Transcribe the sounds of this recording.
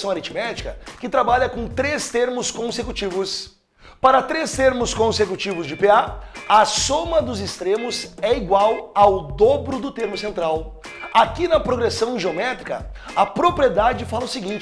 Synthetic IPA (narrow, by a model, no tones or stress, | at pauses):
sɐ̃w̃aɾit͡ʃmɛt͡ʃi̥kɐkɪt̪ɾabaʎɐkõt̪ɾest̪eɾmʊskõsekut͡ʃivʊs | paɾɐt̪ɾest̪eɾmʊskõsekut͡ʃivʊzd͡ʒɪpeaɐsõmɐd̪ʊzɪst̪ɾẽmʊzɛiɡwawawd̪obɾʊd̪ʊt̪eɾmʊsẽnt̪ɾaw | akinɐpɾoɡɾesɐ̃w̃ʒeomɛt̪ɾikɐ̰ɐpɾopɾied̪ad͡ʒɪfalɐʊsɪɡĩnt͡ʃ